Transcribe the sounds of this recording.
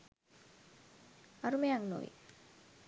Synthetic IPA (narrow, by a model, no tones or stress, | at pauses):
aɾumeaŋno̰ʋḭ